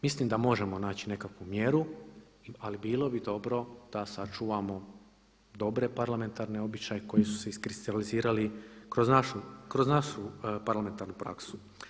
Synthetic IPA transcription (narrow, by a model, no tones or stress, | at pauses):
mislimd̪amo̞ʒe̞mo̞naːt͡ɕine̞kakʋumje̞ɾu | alibiːlˠo̞bid̪o̞bɾo̞d̪̥asat͡ʃuʋamo̞ | d̪o̞bɾe̞paɾlame̞nt̪aɾne̞o̞bit͡ɕajeko̞jisu̥seiskɾist̪aliziːɾalikɾoznaʃukɾoznaʃupaɾlame̞nt̪aɾnupɾa̰ksu̥